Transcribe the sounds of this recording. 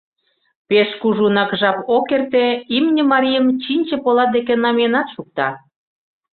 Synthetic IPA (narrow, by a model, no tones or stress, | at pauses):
peʃkuʒunɑkʒɑpokert̪eimnʲə̆mɑɾʲijə̆mt͡ɕinʲt͡ɕə̆polɑd̪ek̬enɑmenɑt̪ʃuk̚t̪ɑ